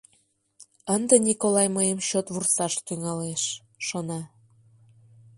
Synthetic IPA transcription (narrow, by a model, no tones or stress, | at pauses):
ənd̪ənʲikolɑjməjəmɕot̪βursɑʃt̪yŋɑleʃ | ʃonɑ